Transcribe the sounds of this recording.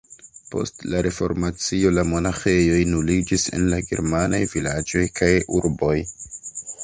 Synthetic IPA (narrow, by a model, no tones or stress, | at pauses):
po̞̰stlaɾe̞fo̞̰ɾmat͡sio̞lamo̞naxe̞jo̞jnulid͡ʒise̞̰nlaɡe̞̰ɾmanajvilad͡ʒo̞jkʰajuɾbo̞j